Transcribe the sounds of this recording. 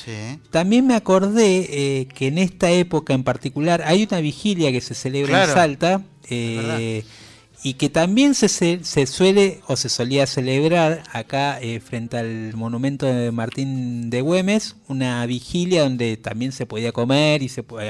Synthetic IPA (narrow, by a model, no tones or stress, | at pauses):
sit̪ambje̞nmeako̞ɾðekeːne̞st̪aepo̞kaempaɾt̪ikulaɾajunaβixiljakese̞seleβɾansalt̪a | e | ike̞t̪ambje̞nsesesesweleo̞se̞so̞liase̞leβɾaɾakaefɾe̞nt̪ealmo̞nũmẽ̞nt̪o̞ðemaɾt̪ind̪eɣwe̞me̞sunaβixiljaðo̞nd̪e̞t̪a̰mbje̞nse̞po̞ðiako̞meɾisep